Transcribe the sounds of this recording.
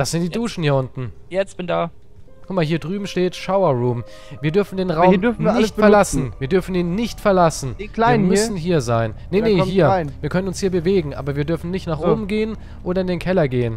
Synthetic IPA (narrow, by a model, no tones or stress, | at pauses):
d̥asz̥ɪntd̥iːduːʃn̩hiɐʊntn̩jɛt͡sa | kʰʊmahiːɐdʁyːbm̩ʃteːtʃaʊɐʁuːm | viːɐdʏɐfn̩deːnʁaʊmfnn̩ːɪçtfɛɐlasn̩viːɐdʏɐfn̩iːnːɪçtfɛɐlasn̩laimsn̩ɦiːɐzaɪnːenehiːɐviːɐkʰœnənʊnshiːɐbəveːɡŋ̩ʔa̰ːbɐviːɐdʏɐfn̩nɪçtnaːχʔoːbm̩ɡeːən | ʔoːdɾɐɪndeːnkʰɛlɐɡeːən